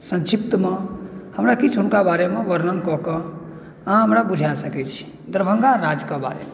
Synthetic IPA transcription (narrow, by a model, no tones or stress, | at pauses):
sə̃nt͡ʃip̚t̪əmehəmɾakit͡ʃʰɦunkabaɾemeʋəɾnənkɔɦkɔ | ãɦəmɾabud͡ʒʱasəkɛt͡ʃʰi̥ | d̪ɾəbʱəŋɡaɾad͡ʒkaba̰ɾḛme